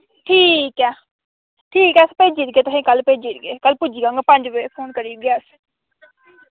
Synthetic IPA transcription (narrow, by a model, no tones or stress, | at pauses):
ʈʰiːkɛː | ʈʰiːkɛːəspeːd͡ʒiːt̪̚ɡeːt̪ʊsĩːkəlpeːd͡ʒiːt̪ɡeːkəlpʊd͡ʒiːɡãːŋɡaːpə̃ɲd͡ʒʋepʰoːnkəɾiːɡeːəs